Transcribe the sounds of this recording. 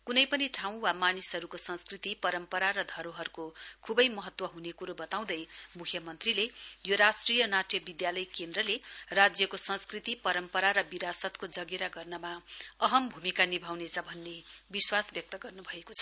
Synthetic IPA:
kunʌjpʌniʈʰaw̃wamanisɦʌɾukosʌ̃nskrit̪ipʌɾʌmpʌɾaɾʌd̪ʱʌɾoɦʌɾukokʰubʌjmʌɦʌt̪wʌɦunekuɾobʌt̪aw̃d̪ʌjmukʰjʌmʌnt̪rilejoɾasʈrijʌnaʈjʌbid̪jalʌjkend̪rʌlerad͡zjʌkosʌ̃nskrit̪ipʌɾʌmpʌɾaɾʌbiɾasʌt̪kod͡zʌɡeɾaɡʌrnʌmaʌɦʌmbʱumikanibʱawnet͡sʰʌbʱʌnːebiswasbjʌk̚t̪ʌɡʌrnubʱʌekot͡sʰʌ̥

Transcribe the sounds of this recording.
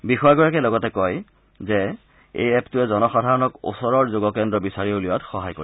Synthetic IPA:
bixɔjaɡɔɹakɛlɔɡɔtɛkɔj | zɛ | ḛjɛptuɛzɔnɔxadʱaɹɔnɔko̰sɔɹɔɹzoɡɔkɛndɹɔbisaɹioliwatxɔɦajko̰ɹi

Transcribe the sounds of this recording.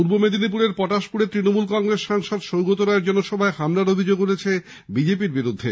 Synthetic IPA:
puɾbomed̪ʱinip̬uɾeɾpɔʈaʃpuɽet̪ːɾinomulkɔŋɡɾesʃaŋʃɔd̪ʃowɡot̪oɾaeɾd͡ʑɔnoʃɔbʱaehamlaɾobʱid͡ʑoɡuɾʰet͡ɕʰe | bid͡ʑepiɾbiɾud̪ʱːe

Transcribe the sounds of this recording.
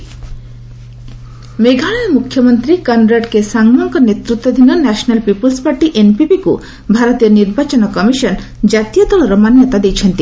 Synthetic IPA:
meɡʱaɭamukʰjɔmɔnt̪ɾikanɾaʈkesaŋɡmɔŋkɔnet̪ɾut̪wɔd̪ʱinɔnɛsɔnalpipɔlspaɾʈiʔenpipiku | bʱaɾɔt̪iɔniɾbat͡ʃɔnɔkɔmiʃɔnd͡ʒat̪ijɔd̪ɔɭɔɾɔmanjɔt̪ad̪ejt͡ʃʰɔnt̪i

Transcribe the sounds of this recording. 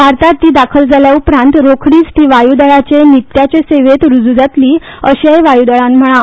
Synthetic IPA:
ʋaɾt̪aɾt̪iːd̪akʰəld͡zaljaupɾãnt̪ɾokʰɽiːt͡st̪iːʋajud̪əɭat͡ɕenit̪ːjat͡ɕeseʋet̪ɾud͡zud͡zat̪liː | əɕajʋajud̪əɭãnm̤əɽ̃a

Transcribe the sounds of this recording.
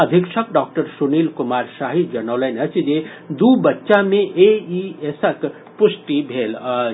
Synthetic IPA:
əd̪ʱikʃək̚ɖak̚ʈəɾsunilkumaɾsaɦid͡ʒənəwlənət͡ʃʰid͡ʒe | d̪ubətːʃameʔeiesək | pusʈibʱel

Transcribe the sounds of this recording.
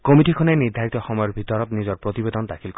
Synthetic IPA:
komiʈikʰɔneniɾd̪ʱaɾit̪ɔxɔmɔjɔɾbʱit̪ɔɾɔt̪nizɔɾpɾot̪ibed̪ɔnd̪akʰilk

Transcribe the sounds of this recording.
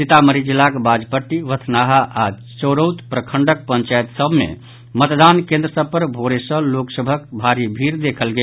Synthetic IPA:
sit̪aməɾid͡ʒilakbad͡ʒpəʈːiʋət̪ʰnaɦaʔa | t͡ʃəɾəwt̪pɾəkʰəɳɖək̚pənt͡ʃajet̪səbʱmḛ | mət̪d̪ankẽnd̪ɾəsəb̚pəɾbʱoɽesə̃loksəbʱəkbʱaɾibʱiɾd̪ekʰəlɡe

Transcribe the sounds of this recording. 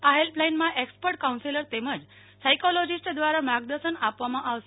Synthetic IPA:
aɦelplajnmãʔekspəɾʈ̚kaũnsiləɾt̪eməd͡z | sajkɔlɔd͡ʑisʈd̪ʋaɾamaɡd̪əɾɕənapʋamãʔaʋs

